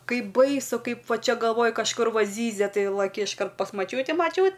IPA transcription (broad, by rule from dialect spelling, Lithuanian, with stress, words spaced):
ˈkɐɪp ˈbɐɪsʊ ˈkɐɪp ˈʋɐ ˈt͡ʃʲɛ ɡɐlˠˈʋoːj kɐʃˈkʊr ˈʋɐ ˈzʲiːzʲɛ ˈtɐɪ lˠɐˈkʲɪ ɪʃˈkɐrt pɐs mɐˈt͡ʃʲuːtʲɪ mɐˈt͡ʃʲuːt